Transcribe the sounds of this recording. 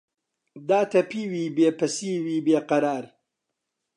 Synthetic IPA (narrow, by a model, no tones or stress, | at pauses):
d̪aːt̪ʰɐpiːwiːbeːpɐsiːwiːbeːqɐɾaːɾ